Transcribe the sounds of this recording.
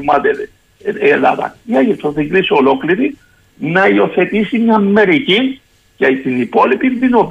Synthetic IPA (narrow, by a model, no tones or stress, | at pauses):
mɐt̪e | elɐ̰ðɐ̰iɐʝit̪ʰːoθiŋɡlisiolokliɾi | nɐio̞θe̞t̪isimɲɐmːe̞ɾici | cɐt̪inipo̞lipinðinop